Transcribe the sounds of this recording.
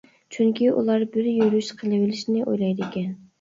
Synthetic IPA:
t͡ʃʰyŋkʲʰiʔṵlˠɑɾbɪɾjyɾyʃqʰəlˠɨwɪlɪʃnɪʔo̰jlˠɑjd̪ɪkʲɛn

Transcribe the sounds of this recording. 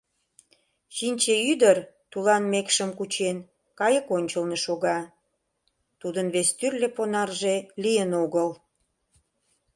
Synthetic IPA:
ʃinʲt͡ɕeyd̪ərt̪ulɑnmekʃəmkut͡ɕen | kɑjəkonʲt͡ɕəlneʃoɣɑ | t̪ud̪ənβest̪yrleponɑrʒelijənoɣəl

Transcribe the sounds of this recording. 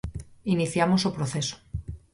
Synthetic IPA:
iniθjamosopɾoθeso̥

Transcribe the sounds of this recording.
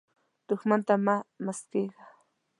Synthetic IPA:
t̪oχmant̪amamaskejɢɑ

